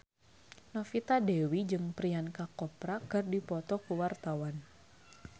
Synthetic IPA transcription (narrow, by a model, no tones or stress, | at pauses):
nɔfit̪adɛwid͡ʒɨŋpɾiankakɔpɾakɨrdipɔt̪ɔkuwart̪awan